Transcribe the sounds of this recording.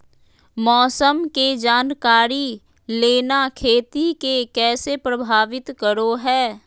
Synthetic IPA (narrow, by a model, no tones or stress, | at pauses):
mɔːsəmked͡ʒaːnkaːɾi | leːnakʰeːt̪ikekɛːsepɾəbʱaːʋɪt̪kəɾoɦɛː